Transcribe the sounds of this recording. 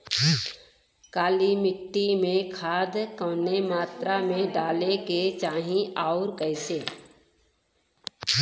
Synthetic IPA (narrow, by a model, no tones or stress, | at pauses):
kaːlimɪʈːimẽkʰaːd̪kəːnemaːt̪ɾamẽɖaːleket͡ʃaːɦĩaʊɾkəɪse